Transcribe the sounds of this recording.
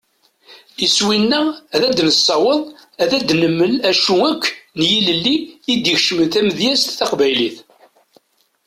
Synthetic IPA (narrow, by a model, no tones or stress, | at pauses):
iswinːææðæd̪nəsːɑwəðˤæðæd̪nəmːəlæʃuækʰʷːnjiləlːiːd̪içʃəmənθæməðjæst̪θæqvæjliθ